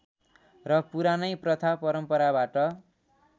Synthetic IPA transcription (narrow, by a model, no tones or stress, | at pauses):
rʌpuɾanʌjprʌt̪ʰapʌɾʌmpʌɾabaʈʌ